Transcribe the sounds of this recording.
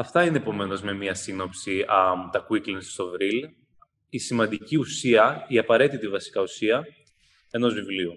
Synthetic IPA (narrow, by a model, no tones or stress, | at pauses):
ɐft̪ɐineːpo̞me̞no̞zme̞miɐsino̞psiɐt̪ɐkuiklensst̪ovɾil | isimɐnd̪iciusiɐiɐpɐɾe̞t̪it̪ivɐsi̥kɐusiɐ | e̞no̞zvivliu